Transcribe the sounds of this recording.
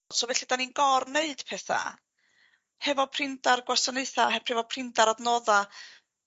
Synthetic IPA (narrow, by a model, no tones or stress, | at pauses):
sovɛɬid̥aninɡɔrneɨd̥pʰɛθa̰ | hɛvɔpʰr̥ɪndarɡwasɔneɨθaɦɛpʰrɛvɔpʰrɪndaɾadnoːða